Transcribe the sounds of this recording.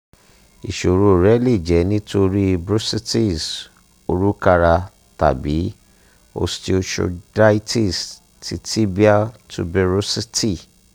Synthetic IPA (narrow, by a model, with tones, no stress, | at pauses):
i˨ʃo˨ɾu˦˨ɾɛ˨˦le˦˨d͡ʒɛ˨˦nĩ˦to˧ɾi˦˧bɾu˦si˦ti˦˨s | o˧ɾu˦ka˧ɾa˧ | ta̰˨bi˨˦ | o̰˧sti˦o˧ʃo̰˧da˦i˦ti˦˨s | tʰi˧ti˦bi˦a˦tʰṵ˨˧bɛ˧ɾo˦si˦ti˦˨